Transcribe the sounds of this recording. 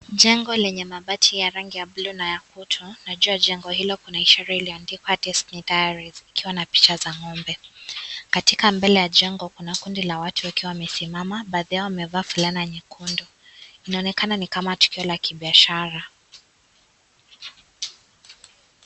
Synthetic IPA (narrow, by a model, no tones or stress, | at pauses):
ʄɛŋɡɔlɛɲɛmaɓatʰijaɾaŋɡijablunajakutʰunaʄuaʄɛŋɡɔhilɔkunaiʃɛɾailiɔandikwatɛstnidajaɾizikiwanapi̥t͡ʃazaŋɔmbɛ | katikambɛlɛjaʄɛŋɡɔkunakundilawatʰuwakiwawamɛsimamaɓaːðiawamɛvaːfulaniɛɲɛkʰundɔ | inaɔnɛkananikamatu̥kiɔlakiɓiaʃaɾa